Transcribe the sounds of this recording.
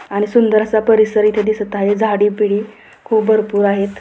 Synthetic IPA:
aɽ̃isund̪əɾat͡sapəɾisəɾit̪ʰed̪isət̪aɦed͡zʱaɽiːpiɽiː | kʰuːpbʱəɾpuːɾaɦet̪

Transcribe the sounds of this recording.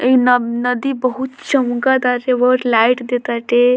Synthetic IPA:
enənəd̪ibəɦut̪t͡ʃəmkad̪aɾeʋəʈlaiʈd̪et̪aʈe

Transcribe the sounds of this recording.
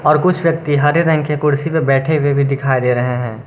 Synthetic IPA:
ɔːɾkʊt͡ʃʰʋjɐk̚t̪iɦɐɾeɾɛ̃ŋkekʊɽsipebɛːʈʰewebʱid̪ɪkʰaːid̪eːɾɐɦeɦɛ̃ː

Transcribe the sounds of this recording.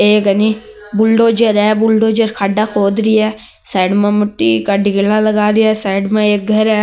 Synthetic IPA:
eːkɐni | bʊlɖod͡ʒəɾɛbʊlɖod͡ʒəɾkʰaːɖaxoːd̪ɾiɛː | saːɖmẽmʊʈːikaɖɪɡlãlɐɡaːɾiɛsaːɪɖmẽeːk̚ɡʱɐɾɛː

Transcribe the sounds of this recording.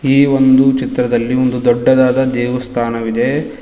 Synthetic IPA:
iːʋond̪ut͡ʃit̪ɾɐd̪ɐlːio̞nd̪ud̪ɔɖːɐd̪aːd̪ɐd̪eːʋɐst̪ʰaːnɐʋid̪e̞

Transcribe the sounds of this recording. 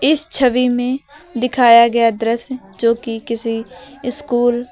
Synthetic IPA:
ɪst͡ʃʰəʋiːmẽː | d̪ɪkʰaːjaɡɐjaːd̪ɾəs | d͡ʒoːkɪkɪsiɪskuːl

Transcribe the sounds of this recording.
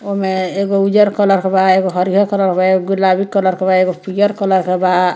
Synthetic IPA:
omeeɡoud͡ʒɔɾkɔlɔɾkʰebaeɡoɦʌɾiɦɔɾkɔlɔɾkʰebaeɡoɡulabikːɔlɔɾkʰebaeɡopijɔɾkɔlɔɾkʰeba

